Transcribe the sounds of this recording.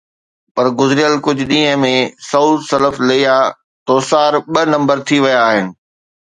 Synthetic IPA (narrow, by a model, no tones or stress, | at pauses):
pɐɾɡʊzɪɾɪjəlkʊd͡ʑʱʊɗĩːɦə̃mẽsɐusɐləflɐija | t̪oːsaːɾɓɐnɐ̃mbəɾt̪ʰiʋɐjaːɦɪnɪ̆